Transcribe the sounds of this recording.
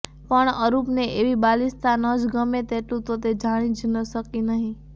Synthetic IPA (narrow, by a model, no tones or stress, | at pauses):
pəɳəɾupneʔeʋibalist̪ʰanəd͡ʒɡəmet̪eʈlũt̪ot̪ed͡ʒaɽ̃ĩd͡ʒnəʃəkinəɦĩ